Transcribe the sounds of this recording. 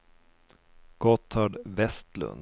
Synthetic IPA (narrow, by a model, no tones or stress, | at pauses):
ɡ̥ɔt̪ʰːɑɖvɛst̪lɵ̰nd̪